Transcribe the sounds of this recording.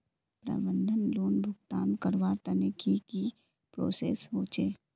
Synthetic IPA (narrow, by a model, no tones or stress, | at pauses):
pɾa̰bə̃nd̪ʱənloːnbʱʊɡ̚t̪aːnkəɾʋaːɾt̪ɐnekiki | pɾo̰ːsḛːsɦoːt͡ʃeː